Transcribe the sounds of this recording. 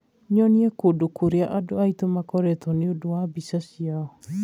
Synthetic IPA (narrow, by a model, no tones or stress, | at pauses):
ɲɔniɛkodokoɾeaʔadoait̪omakɔɾɛt̪ʰɔneodowabisasiaɔ